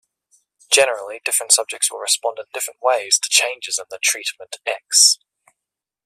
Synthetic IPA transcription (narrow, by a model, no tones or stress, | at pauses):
d̥ʒ̥ɛnəɹəlˠidɪfɹə̃ntsʌb̚d͡ʒɪk̚tswəɹɪspɒ̃ndɪ̃n̩dɪfɹə̃nʔweɪz̥tʰə̥t͡ʃʰẽɪ̃nd͡ʒɪzə̃nðətʰɹ̥iˑʔmə̃ntʰɛks